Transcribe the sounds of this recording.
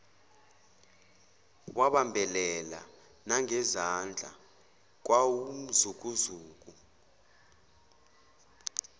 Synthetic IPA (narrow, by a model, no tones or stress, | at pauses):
waɓambʱɛlɛla̰ | naŋɛzand͡ɮʱa̰ | k̬waum̩zuk̬uzuːk̬ʼu